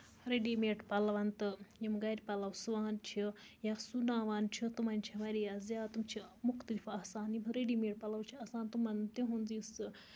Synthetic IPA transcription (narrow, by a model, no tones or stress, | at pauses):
ɾeɖimeːʈpɐlɐʋɐnt̪ɨjimɡaɾʲpɐlɐwsuʋaːnt͡ʃʰi | jasunãːʋaːnt͡ʃʰit̪umɐnʲt͡ʃʰimɐɾiazjaːt̪umt͡ʃʰimuxt̪ɐlifɐsaːnjimɾeɖiːmeːʈ̚pɐlɐwt͡ʃʰiɐsaːnt̪umɐnt̪eɦũnzisɨ